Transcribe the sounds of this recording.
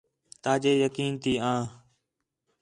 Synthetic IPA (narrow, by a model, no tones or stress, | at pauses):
t̪aːd͡ʒeːjəkiːnt̪ʰiːãː